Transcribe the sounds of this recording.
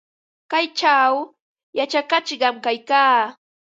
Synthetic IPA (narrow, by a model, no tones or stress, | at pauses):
kajt͡ʃaw | jat͡ʃakat͡ʃɢɑmkajkaː